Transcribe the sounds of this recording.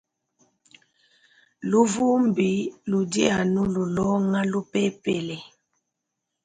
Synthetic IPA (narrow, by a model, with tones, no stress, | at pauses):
lu˦vu˦m˨bi˨˦lu˨dḭ˦a˨nu˦lu˨lɔ˦ŋa˦lu˦pe˦pe˨lɛ˨